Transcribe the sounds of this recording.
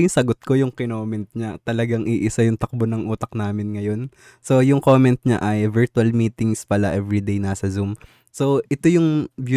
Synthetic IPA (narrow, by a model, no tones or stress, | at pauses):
ɪŋsɐɡot̪̚ko̞jʊŋkɪnoːmɛnt̪̚ɲat̪ɐlɐɡaŋʔiʔɪsɐjʊŋt̪ɐk̚bonɐŋʔuːt̪ɐk̚naːmɪnŋɐjo̞n | so̞jʊŋkoːmɛnt̪̚ɲa̰ʔɐjvɛɹt̪uɐlmiːt̪ɪŋspɐlaʔɛvɹid̪ejnaːsɐzum | so̞ʔɛt̪o̞jʊŋbju